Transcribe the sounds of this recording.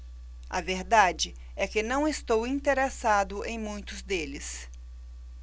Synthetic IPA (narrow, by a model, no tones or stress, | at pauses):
ɐ̰veɾd̪ad͡ʒɪ | ɛkɪnɐ̃w̃ɪst̪owĩnt̪eɾesad̪ʊʔẽj̃mũj̃t̪ʊzd̪elɪs